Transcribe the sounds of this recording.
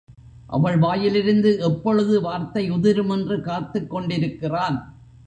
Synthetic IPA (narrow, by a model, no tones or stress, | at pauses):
ʔɐ̰ʋɐɭʋaːjɪlɪɾɯnd̪ɯʔɛpːɔɻɯðɯʋaːɾt̪ɐɪʊðɪɾɯmɛndrɯkaːt̪ːɯkːɔɳɖɪɾɯkːɪraːn